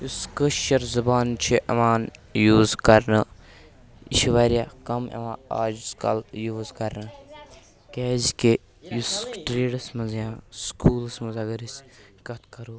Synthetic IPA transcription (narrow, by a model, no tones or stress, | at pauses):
juskəʃɐɾzɐbaːnt͡ʃʰiʔɐ̰ʋaːnjuːzkɐɾnɨ | ḭʃʋaːɾijaːkɐmɐ̰ʋãːa̰ːd͡ʒskɐ̰ljuːzkɐɾnɨ | keːzke | jusʈɾeːɽɐsmɐnzjãːskʰuːlsmɐzaːɡɐɾis | kɐt̪ʰkɐɾuː